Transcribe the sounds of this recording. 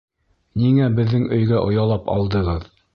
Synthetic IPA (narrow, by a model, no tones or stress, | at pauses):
niŋæbɘ̆ðːɘŋɵ̆jɡæʔŏjɑlˠɑpɑ̰lˠd̪ɤ̆ʁɤð